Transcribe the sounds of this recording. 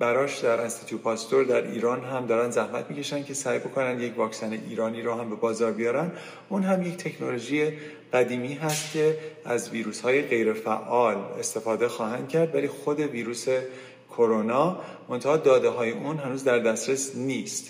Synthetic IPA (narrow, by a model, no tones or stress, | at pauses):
b̥æɾɒːʃd̪æɾʔinst̪it̪ʰupʰɒːst̪o̞ɾd̪æɾʔḭːɾɒːnɦæmd̪ɒːɾænd̪zæhmæt̪̚ʰmiːcʰe̞ʃænd̪̚cʰe̞sæːjbo̞kʰo̞nænd̪jecvɒːcsæneʔiːɾɒːniːɾɔːhæmbe̞bɒːzɒːɾbijɒːɾænd̪ | ʔuːnɦæmje̞ct̪ʰe̞cʰno̞lo̞ʒije | ɢ̥æd̪iːmiːɦæst̪̚cʲʰe̞æzviːɾuːshɒːje̞ɣe̞jɾe̞fæʔɒːle̞̰st̪e̞fɒːd̪e̞xɒːɦænd̪̥̚cʰæɾd̪væliːxo̞d̪e̞viːɾuːse̞ | kʰo̞ɾonɒː | mo̞nt̪ʰæhɒːd̪ɒːd̪e̞ɦɒːje̞ʔuːnɦænuːzd̪æɾd̪æsɾesnist̪